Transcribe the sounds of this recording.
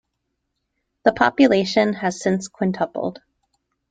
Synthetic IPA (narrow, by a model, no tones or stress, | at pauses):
ðəpʰɑpjɨleɪʃɨ̃nɨz̥sɪ̃nskʰw̥ɪ̃ntʰʌpl̩ˠd̥